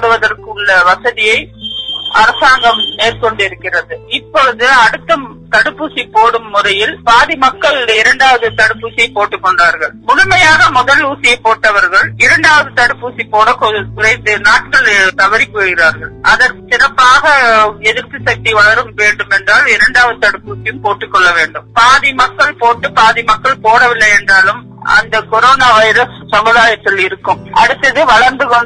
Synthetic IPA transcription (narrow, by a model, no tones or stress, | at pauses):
ɽɯʋɐðɐrkɯɭːɐʋɐsɐðɪjɐɪ | ɐ̰ɾɐsaːŋɡɐmːeːrkɔɳɖɪɾɯkːɪrɐðɯɪpːɔɾðɯɐɽɯt̪ːɐm | t̪ɐɽɯpːusipːoːɽɯmːʊrɐjɪlpaːðimɐkːɐɭɪɾɐɳɖaːʋɐðɯt̪ɐɽɯpːuːsɪjɐɪpːoːʈːɯkːɔɳɖaːɾɣɐɭmʊɻʊmɐjaːɣɐmʊðɐluːsɪjɐɪpːoːʈːɐʋɐɾɣɐɭɪɾɐɳɖaːʋɐðɯt̪ɐɽɯpːuːsipːoːɽɐkkʊrɐɪnt̪ɯnaːʈ̚kɐɭt̪ɐʋɐɾɪpːoːɣɪɾaːɾɣɐɭɐðɐɾsɪɾɐpːaːɣɐɛðɪɾt̪ːɯsɐk̚t̪iʋɐɭɐɾɯmʋeːɳɖɯmɛndraːlɪɾɐɳɖaːʋɐðɯt̪ɐɽɯpːuːsɪjɯmpoːʈːɯkːɔɭːɐʋeːɳɖɯmpaːðɪmɐkːɐɭpoːʈːɯpaːðimɐkːɐɭpoːɽɐʋɪlːɐɪɛndraːlɯm | ɐ̰nd̪ɐkɔɾoːnaːʋɐɪɾɐssɐmʊðaːjɐt̪ːɪlɪɾɯkːɯmʔɐɽɯt̪ːɐðɯʋɐɭɐɾnd̪ɯkɔɳ